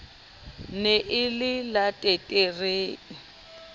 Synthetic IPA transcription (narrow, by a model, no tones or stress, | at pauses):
neʔɪlɪlatʼetʼereːŋ̩